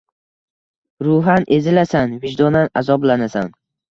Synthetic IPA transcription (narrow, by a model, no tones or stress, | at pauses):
ɾʊɦanʔe̞zɪlasanvɪd͡ʒd̪onanazɒblanasan